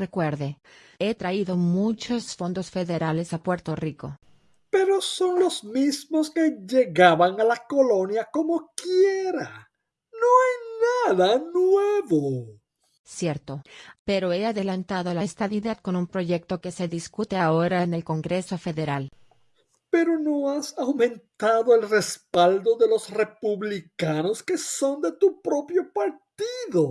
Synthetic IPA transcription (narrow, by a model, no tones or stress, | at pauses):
re̞kwe̞ɾðe | e̞t̪ɾaiðo̞mut͡ʃosfo̞nd̪o̞sfe̞ðe̞ɾale̞sapwe̞ɾt̪o̞riko̞̰ | pe̞ɾo̞so̞nlozmizmoskeʝeɣaβaŋalakolonjakomokjeɾa | noajnaðanweβo | sje̞ɾt̪o̞pe̞ɾo̞eaðelant̪aðo̞laest̪aðiðad̪̚ko̞numpɾo̞ʝe̞k̚t̪o̞ke̞se̞ðiskut̪eaoɾaene̞lko̞ŋɡɾe̞so̞fe̞ðe̞ɾal | pe̞ɾo̞noasawmẽ̞nt̪aðoelrespald̪o̞ðe̞lo̞srepuβlikano̞ske̞so̞nd̪e̞t̪upɾo̞pjo̞paɾt̪iðo